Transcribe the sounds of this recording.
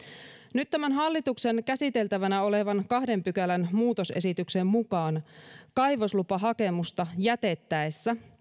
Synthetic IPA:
nyt̪ːæmænɦɑlːit̪ukse̞nkæsit̪e̞lt̪æʋænæo̞le̞ʋɑnkɑhde̞mpykælænmuːt̪o̞se̞sit̪ykse̞mmukɑːnkɑjʋoslupɑɦɑke̞must̪ɑjæt̪e̞t̪ːæesːæ

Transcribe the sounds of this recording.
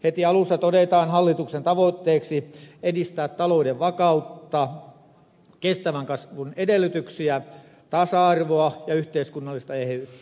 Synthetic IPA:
het̪iɑlusːɑt̪odet̪ɑːnhɑlːit̪uksent̪ɑʋoit̪ːeːksiedist̪æːt̪t̪ɑloudeʋʋɑkɑut̪ːɑ | kest̪æʋæŋkɑsʋunedelːˑyt̪yksiæ | t̪ɑsɑɑrʋoɑjɑyht̪eiskunːɑlːist̪ɑehy

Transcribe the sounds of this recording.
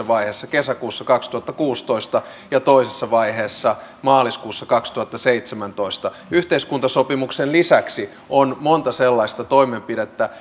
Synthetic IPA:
ɑʋɑiheːsːɑkesækuːsːɑkɑkst̪uhɑt̪ːɑkuːst̪oist̪ɑ | jɑt̪oisesːɑʋɑiheːsːɑ | mɑːliskuːsːɑkɑkst̪uhɑt̪ːɑseit̪semænt̪oist̪ɑ | yht̪eiskunt̪ɑsopimuksenlisæksi | onmont̪ɑselːɑist̪ɑt̪oimempiɾet̪ːæ

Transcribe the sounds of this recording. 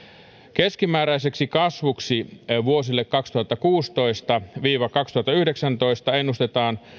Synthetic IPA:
keskimæːɾæise̞ksikɑsʋuksiʋuosilːekkɑkst̪uhɑt̪ːɑkuːst̪o̞ist̪ɑʋiːʋɑkɑkst̪uhɑt̪ːɑyhdeksænt̪o̞ist̪ɑenːust̪et̪ɑːn

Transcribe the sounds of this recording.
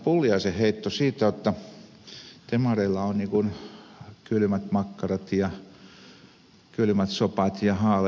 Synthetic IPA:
puljɑseheit̪ːosiːt̪æjot̪ːɑ | t̪emɑreilːɑonniːkun | kylmæt̪mɑkːɑrɑt̪jɑ | kylmæt̪sopɑt̪jɑhɑːle

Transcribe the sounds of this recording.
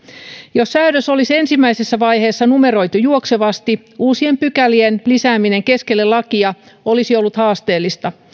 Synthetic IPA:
jossæyɾøso̞lise̞nsimːæisesːæʋɑjhe̞ːsːɑnume̞ɾo̞jt̪ujuokseʋɑst̪i | uːsiempykælienlisæːmine̞ŋke̞ske̞lːelɑkiɑ | o̞lisiolːut̪hɑːst̪e̞ːlːist̪ɑ

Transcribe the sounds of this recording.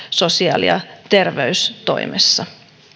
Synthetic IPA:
so̞siɑ̰ːlḭɑ̰t̪e̞rʋeyst̪o̞̰imʔḛsːɑ

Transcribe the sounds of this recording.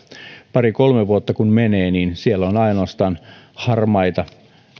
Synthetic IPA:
pɑrikolmeʋuot̪ːɑkunmeneːniːnsielːonɑinoːst̪ɑːn | hɑrmɑit̪ɑ

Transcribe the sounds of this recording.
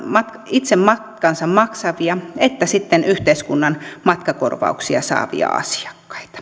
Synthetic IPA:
mɑt̪kɑit̪semmɑtkɑnsɑmmɑksɑʋiɑet̪ːæsit̪ːenyht̪eiskunːɑnmɑt̪kɑko̰rʋɑ̰uksiɑsɑ̰ːʋḭɑ̰ɑ̰si̥ɑ̥kːɑ̥i̥t̪ɑ̥

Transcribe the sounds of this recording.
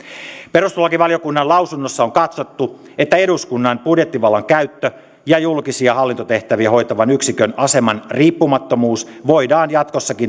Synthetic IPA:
pe̞ɾust̪olːɑkiʋɑljokunːɑnlɑwsunːosːɑoŋkɑt̪so̞t̪ːu | et̪ːæe̞duskunːɑnpudjet̪ːiʋɑlːɑŋkæyt̪ːø | jɑjulkisiɑhɑlːint̪o̞t̪e̞ht̪æʋiæho̞jt̪ɑʋɑnyksikønɑse̞mɑnriːpːumɑt̪ːomuːsʋoidɑːnjɑt̪ko̞sːɑkin

